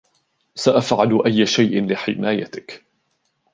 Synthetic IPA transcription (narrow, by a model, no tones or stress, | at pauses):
saʔafʕalʔajːaʃajʔɪnlɪħɪmaːjat̪ɪk